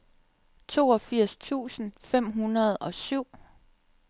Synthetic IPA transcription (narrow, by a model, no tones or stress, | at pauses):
t͡sʰo̝̰ːɒ̽fiɐ̰st͡sʰṵːsn̩fem̰ɦunɐð̞̩ˠɒ̽syʊ̰